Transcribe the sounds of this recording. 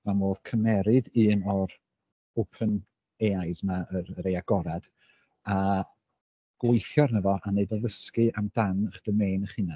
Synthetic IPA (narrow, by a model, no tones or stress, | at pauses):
mamoːð̥kʰəmɛɾɨdɨːnɔɾ | opʰən | eːajsmaəɾəɾeaɡ̥ɔɾad̥ | a | ɡ̥wʊjθjɔrnəvɔʔanedɔləskɨʔamd̥anəχd̥əmeːnəχɨna